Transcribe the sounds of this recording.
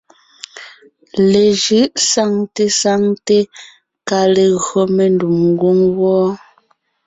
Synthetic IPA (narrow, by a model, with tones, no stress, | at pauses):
le˨ʒɯ˨˦ʔsa˦˨ŋte˦sa˦ŋte˦ | ka˨le˨ɣɰo˨me˨ndu˨mŋ˦ɡu˦ŋwɔː˦